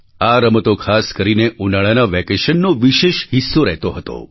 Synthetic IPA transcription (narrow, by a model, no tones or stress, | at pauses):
aɾəmət̪okʰaskəɾineʔunaɭanaʋɛkeʃənːoʋiʃeʃɦisːoɾɛɦt̪oɦət̪o̰